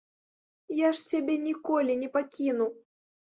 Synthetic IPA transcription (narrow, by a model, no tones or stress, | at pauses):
jaʂt͡sʲabʲɛnʲikɔlʲinʲɛpakʲinuw